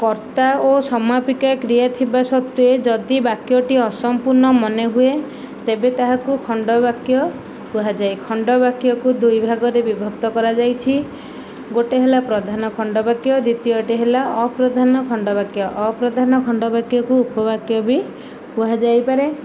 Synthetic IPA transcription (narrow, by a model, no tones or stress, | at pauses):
kɔɾt̪aosɔmapikakɾijat̪ʰibasɔt̪ːued͡ʒɔd̪ibakjɔʈiɔsɔmpuɾnɔmɔneɦue | t̪ebet̪aɦakukʰɔɳɖɔbakjɔ | puɦad͡ʒajkʰɔɳɖɔbakjɔkud̪ujbʱaɡɔɾebibʱɔk̚t̪ɔkɔɾad͡ʒajt͡ʃʰi | ɡoʈeɦelapɾɔd̪ʱanɔkʰɔɳɖɔbakjɔd̪it̪iɔʈeɦelaɔpɾɔd̪ʱanɔkʰɔɳɖɔbakjɔʔːpɾɔd̪ʱanɔkʰɔɳɖɔbakjɔkuupɔbakjɔbi | puɦad͡ʒajpaɾe